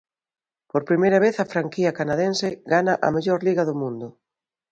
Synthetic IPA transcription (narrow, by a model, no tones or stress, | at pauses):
poɾpɾimejɾɐβ̞eθɐfɾaŋkiɐkanaðensɪɡanaʔɐ̰meʎoɾliɣɐðʊmũnd̪ʊ